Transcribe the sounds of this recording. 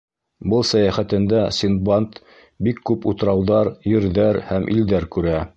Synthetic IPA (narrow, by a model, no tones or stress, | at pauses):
bɤlˠsæjæχæt̪ɘ̆nd̪æsʲinbɑnt̪ | bikːʉput̪ɤ̆ɾɑwðɑɾjɘ̆ɾðæɾhæmʔḭld̪æɾkʉɾæ